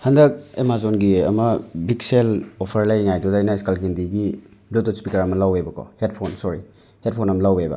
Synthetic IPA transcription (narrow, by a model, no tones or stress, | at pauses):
hɐndɐk̚emazonɡiɐ̰mɐbikselopʰɐɾlajŋajtudajnɐskalkʰindiɡi | blutospikɐɾɐmɐlawebɐkʰo̰het̚pʰonsoɾi | het̚pʰonɐmɐlawebɐ̰